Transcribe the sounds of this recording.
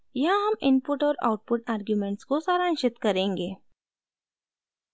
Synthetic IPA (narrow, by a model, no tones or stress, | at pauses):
jɐɦãɦɐmɪnpʊʈɔːɾa̰ʊʈ̚pʊʈaːɾɡjumẽɳʈskosaːɾaːnʃɪt̪kɐɾẽːŋɡeː